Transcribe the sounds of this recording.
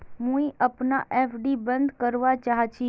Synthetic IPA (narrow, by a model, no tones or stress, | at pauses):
mũiʔəpnaʔeːpʰɖibə̃nd̪kəɾʋat͡ʃaɦt͡ʃʰi